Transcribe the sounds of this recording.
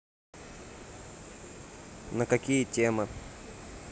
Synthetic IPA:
nakakʲijətʲemə

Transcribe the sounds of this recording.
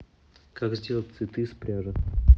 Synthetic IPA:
kaɡzʲdʲe̞lˠət̚ʲsvʲɪt̪ɨspɾʲaʐə

